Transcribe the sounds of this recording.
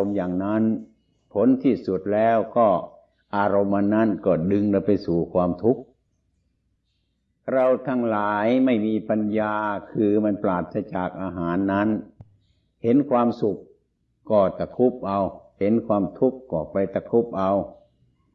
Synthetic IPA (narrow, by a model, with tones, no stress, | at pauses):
mjaː˨˩ŋna˦˥˨n | pʰo˨˦nt̪ʰiː˧˩su˨˩t̪̚lɛː˧˥˩wkɔː˧˩ | ʔaː˧ɾo˧mʔa˧nːa˦˥˨nkɔː˧˩dɯ˧ŋla˧˩pa˧jsuː˨˩kʰwaː˧mt̪ʰu˦˥k̚ | ɾa˧wt̪ʰa˧˥˩ŋlaː˨˦jma˥˩jmiː˧pa˧njaː˧kʰɯː˧ma˧nplaː˨˩t̪̚sa˧t͡ɕaː˨˩k̚ʔaː˧ɦaː˨˦nːa˦˥˨n | he˨˦nkʰwaː˧msu˨˩kː | ɔː˧˩t̪a˧kʰu˦˥˩p̚ʔa˧whe˨˦nkʰwaː˧mt̪ʰu˦˥˩kːɔː˧˩pa˧jt̪a˧kʰu˦˥˩p̚ʔa˧w